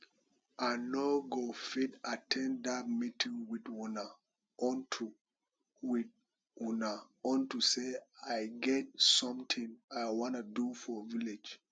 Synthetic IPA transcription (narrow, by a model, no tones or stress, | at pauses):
anoɡofidatʰɛ̃ndat̚mitʰĩŋwidwuna | ntʰu | wi | wuna | ɔ̃ntuseaɪɡɛt̚sɔ̃mtʰĩŋajwɔ̃nudufɔvilid͡ʒ